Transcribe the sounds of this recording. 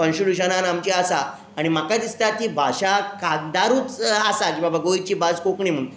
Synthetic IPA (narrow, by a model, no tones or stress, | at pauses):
kə̃nsuɾuɕənanamt͡ɕiasaː | ɽ̃imakad̪ist̪at̪ibʱaɕakaɡd̪aɾuːt͡sasakĩbabaɡoit͡ɕiːbad͡zkokɳim̤ə̃ũ